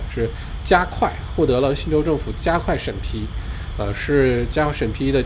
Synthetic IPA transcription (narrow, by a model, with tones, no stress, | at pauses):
ʂɻ̩˥˩ | t͡ɕja˥kʰwa˥˧ɪxwɔ˥˩t̪ɤ˧˥lə˧ɕi˥˧nʈ͡ʂo˥ʊʈ͡ʂɤ˥˩ŋfu˨˩t͡ɕja˥kʰwa˥˩ɪʂə˨˩npʰi˧˥ə˧ʂɻ̩˥˧t͡ɕja˥˩ʂə˨˩npʰi˧˥d̪ə˨